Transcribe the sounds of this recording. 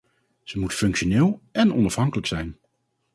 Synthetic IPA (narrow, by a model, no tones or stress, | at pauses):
z̥əmutfɵŋkʃonɪːlˠɛnɔ̰nɑfɦɑŋkələksɛjn